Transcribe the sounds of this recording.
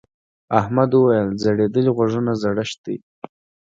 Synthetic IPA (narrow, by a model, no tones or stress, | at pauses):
ahmad̪wəwajəlzaɽed̪əliɣwaʐunazaɽaʃt̪̚i